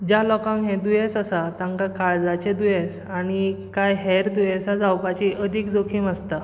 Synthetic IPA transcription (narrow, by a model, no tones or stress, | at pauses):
d͡ʑalɔkãŋɦẽd̪ujesəsat̪ãŋkakaɭd͡zat͡ɕed̪ujes | aɽ̃ikajɦɛɾd̪ujẽsad͡zawpat͡ɕiəd̪ʱikd͡zokʰimast̪a